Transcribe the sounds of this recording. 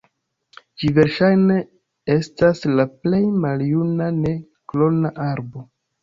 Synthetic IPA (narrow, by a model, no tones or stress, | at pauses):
d͡ʒive̞ɾʃajne | estaslaple̞jmaljunane̞ | klo̞naʔaɾbo̞